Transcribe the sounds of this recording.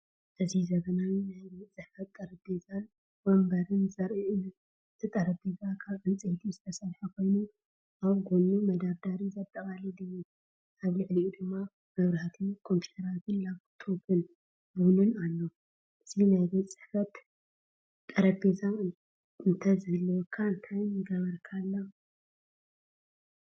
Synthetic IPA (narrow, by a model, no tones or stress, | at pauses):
ʔɨzizɐɡɐnawinajbet͡sʼɨħfɐt̪ʼːɐɾɐbezal | bɐmbɐɾɨnzɐɾiʔu | t̪ʰɨt̪ʼɐɾɐbezakʰaβʕit͡sʼɨht̪ʰizɨt̪ʰɐsɐɾħakʰo̞jnu | ʔaβɡonumɐd̪aɾd̪aɾizɐt̪ʼːɐkʼalid̪ɨju | ʔaβlɨʕliud̪ɨmːa | ɡɐβɾat̪ʰɨnkʰo̞mpʰju̥t̪ʰɐɾat̪ʰɨnlaɡt̪ʰobʰɨn | bunɨnalːo̞ | ʔɨzinajbɐt͡sʼɨ̥ħfɐt̪ | t̪ʼːɐɾɐbeza | ɨnt̪ʰɐzɨhɨlːɐwkʰːaɨnt̪ʰajnɨɡɐβɐɾkʰalːa